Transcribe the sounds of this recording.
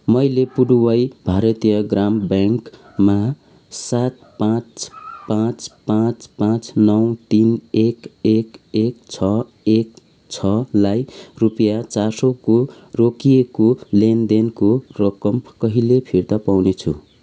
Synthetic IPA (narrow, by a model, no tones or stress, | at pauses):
mʌjlepuɽuwʌjbʱaɾʌt̪ijʌɡrambjaŋk | ma | sat̪̚pãt͡spãt͡spãt͡spãt͡snʌwt̪inekekekt͡sʰʌ | ek | t͡sʰʌlajrupʌjat͡sasoko | rokijekolend̪enkorʌkʌmkʌɦilepʰirt̪ʌpawnet͡sʰṵ